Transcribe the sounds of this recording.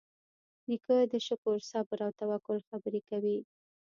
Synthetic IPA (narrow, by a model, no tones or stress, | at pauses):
ɾikəd̪əʃʊkoɾsɑbəɾawt̪awakʊlxabəɾekawi